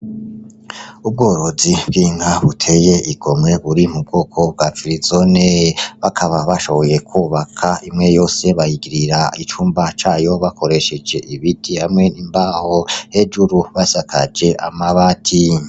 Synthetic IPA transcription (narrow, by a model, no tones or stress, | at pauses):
ub̚ɡo̞ːɾo̞zibɡiːŋaβutʰe̞je̞ʔiɡ̥o̞mŋe̞βuɾimub̚ɡo̞ːkʰo̞b̚ɡat͡ʃuɾizo̞neβakʰaβaβaʃo̞βo̞je̞kʰuβakʰaimŋe̞jo̞ːse̞βajiɡiɾiɾait͡ʃuːmbat͡ʃaːjo̞βakʰo̞ɾe̞ʃe̞d͡ʒe̞ʔiβidihamŋe̞nimbahohe̞d͡ʒuɾuβasakʰad͡ʒe̞ʔa̰maβatʰi